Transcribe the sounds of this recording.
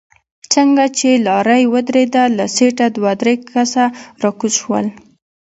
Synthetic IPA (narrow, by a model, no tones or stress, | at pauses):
t͡səŋɡat͡ʃelɑɾajwəd̪ɾed̪alaseʈad̪wɑd̪ɾekʰasaɾɑkuzʃwə̰l